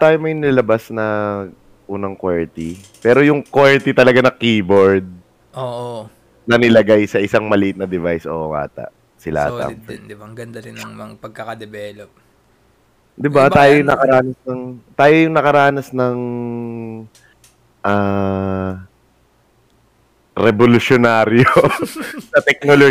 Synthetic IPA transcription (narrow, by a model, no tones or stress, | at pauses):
t̪aːjomɐjnɐlɐlɐbasnɐ | ʔuːnɐŋkwɛɹt̪i | pɛːɾojʊŋkwɛɹt̪ɪt̪ɐlɐɡanɐkiːboɹd̪̚ | ʔoʔo | nɐnɪlɐɡajsɐʔɪsaŋmɐliʔɪt̪nɐd̪ɪvajsʔo̰ŋa̰ːt̪ɐ̰ʔ | sɪla̰ːt̪ɐ̰mnd̪ɪbaŋɡɐnd̪ɐɾɪnɐŋmɐŋpɐɡ̚kɐkɐd̪ɛbɛːlop̚ | d̪ɪbatb̪aːjojnɐkɐɾaːnɐsnɐŋt̪aːjojʊŋnɐkɐɾaːnɐsnɐŋ | ʔaː | ɾɛbolʊsonaːɾjo | sɐt̪ɛk̚nolo